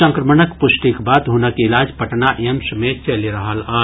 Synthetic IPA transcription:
ə̃ŋkɾəmənəkpʊsʈikbaːd̪ɦunəkiɪlaːd͡ʒpəʈnaʔemsmet͡ʃəliɾɐɦalaː

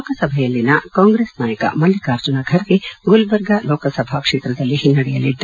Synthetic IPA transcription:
loːkɐsɐbʱɐjɐlːinɐkaːŋɡɾeːsnaːjɐkɐ̰mɐlːikaːɾd͡ʒunɐɡʱɐɾɡeɡulbɐɾɡɐlɔːkɐsɐbʱakʂeːt̪ɾɐd̪ɐlːiɦinːɐɽɛjɐlːit̪ːu

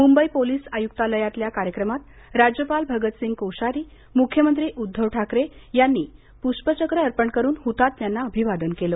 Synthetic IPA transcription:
mumbəipoliːsajuk̚t̪aləjat̪ljakaɾjəkɾəmat̪ | ɾad͡ʑjəpalbʱəɡət̪sĩŋɡkowɕaɾiː | mukʰjəmənt̪ɾiːʔud̪ʱːəʋʈʰakɾejanːiː | puʂpət͡ɕəkɾəəɾpəɳkəɾuːnɦut̪at̪ːjanːaəbʱiʋad̪ənkelə

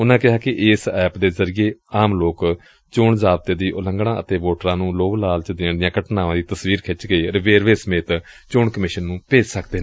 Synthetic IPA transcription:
ʊnãːkɪɦaːkɪʔɪːsɛːpd̪eːzəɾijeːaːmloːk | t͡ʃʊɳzaːb̚t̪eːd̪iːʔʊləŋɡɽ̃ãːət̪eːʋoːʈəɾãːnũːloːʋlaːlt͡ʃəd̪ɪɳd̪ɪjãːkəʈnãːʋãːd̪iːt̪əsʋiːɾkʰɪt͡ʃɡəiːɾɪʋeːɾʋeːsəmeːt̪t͡ʃʊɳkəmɪʃənːũːpeːd͡ʒsəkd̪eː

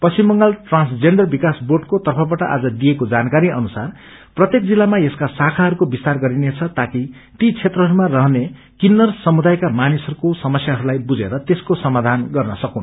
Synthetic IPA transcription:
pʌsimːʌŋɡalʈrãnsd͡zenɖʌrbikasborɖkot̪ʌrpʰʌbaʈʌʔa̰d͡zʌd̪ijekod͡zankaɾiʌnusar | prʌt̪jekd͡zilːamajeskasakʰaɦʌɾukobist̪arɡʌɾinet͡sʰʌt̪aki | t̪it͡sʰet̪rʌɦʌɾumarʌɦne | kinːʌrsʌmud̪ajkamanisʌɾukosʌmʌsjaɦʌɾulajbud͡zḛɾʌt̪eskosʌmad̪ʱanɡʌrnʌsʌkun

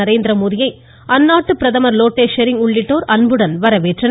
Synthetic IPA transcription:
ɐɾeːnd̪ɪɾɐmuːðɪjɐɪ | ʔɐnːaːʈːɯpɪɾɐðɐmɐɾloːʈːeːʂɐɾɪŋʊɭːɪʈːoːɾɐnbɯɽɐnʋɐɾɐʋeːʈrɐn

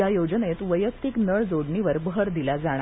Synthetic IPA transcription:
jajod͡zənet̪ʋəjəkt̪iknəɭd͡zoɽɳiʋəɾbʱəɾd̪ilad͡zaɽ̃a

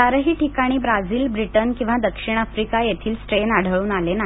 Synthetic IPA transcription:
aɾəɦiːʈʰikaɽ̃iːbɾad͡ziːlbɾiʈənkĩw̃ʋad̪əkʂiɽ̃əfɾikajet̪ʰiːlsʈɾenaɽ̤ʱəɭuːnalena

